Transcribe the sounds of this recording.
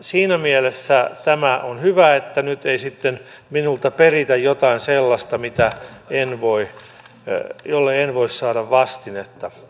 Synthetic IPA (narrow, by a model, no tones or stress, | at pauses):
siːnæmielesːæt̪æmæʔonhyʋæet̪ːænyt̪eisit̪ːen | minult̪ɑperit̪æjjot̪ɑinselːɑst̪ɑmit̪æenʋoi | jolːeenʋoissɑːɾɑʋʋɑst̪inet̪ːɑ